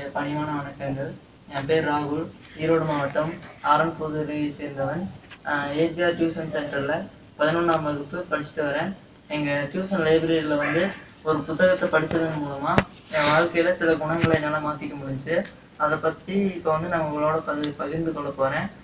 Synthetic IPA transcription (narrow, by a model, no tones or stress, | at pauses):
pɐɳɪʋaːnɐʋɐɳɐkːɐŋɡɐɭ | ɛ̃ːpeːɾaːɣʊɭ | iːɾoːɽɯmaːʋɐʈːɐmaːɾɐmpoːðɯɾɐɐseːɾnd̪ɐʋɐn | eːd͡ʒaːɾʈjuːsɐnsɛɳʈɐɾɪlɐ | pɐðɪnʊnːaːmɐɣɯpːɯpɐɽɪt͡ʃːɪ̥ʈːɯʋɐɾẽː | ɛŋɡɐʈjuːsɐnlɐɪbɾeːɽilɐʋɐnd̪ɯ | ɔɾɯpʊt̪ːɐɣɐt̪ːɐpɐɽɪt͡ʃːɐðɯnmuːɭɐmaː | ẽʋɐɻkɐjɪlɐsɪlɐɡʊɳɐŋɡɐɭɐɛnːɐːlɐmaːt̪ɪkːɐmʊɽɪɲd͡ʒɯ | ɐðɐpːɐt̪ːiɪpːoːʋɐnd̪ɯnɐmɡɐɔɭoːɽɐpɐðɯpɐɣɪɾnd̪ɯkɔɭːɐpoːɾẽː